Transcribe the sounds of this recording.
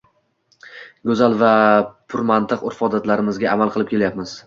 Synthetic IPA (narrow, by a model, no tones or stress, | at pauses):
ɡɵzalvapʰʊɾmant̪ʰɨqʊɾfɒd̪at̪laɾɪmɪzɡʲaamalˠqʰɨlˠɪp̚kʲʰe̞ljapmɪz̥